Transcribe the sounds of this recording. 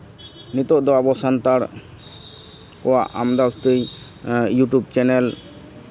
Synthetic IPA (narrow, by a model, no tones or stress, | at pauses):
nit̪ɔʔd̪ɔabɔsant̪aɾ | kɔwaʔa̰md̪ast̪əj | juʈub̚t͡ʃɛnɛl